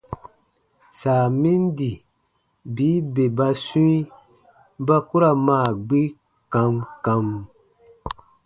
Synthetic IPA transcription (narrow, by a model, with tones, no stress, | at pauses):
saː˨mĩ˦ndi˨ | biː˨˦be˨ba˧sũ˦i˦ | ba˦ku˦ɾa˨maː˨ɡ͡bi˦ | kã˧mkã˧m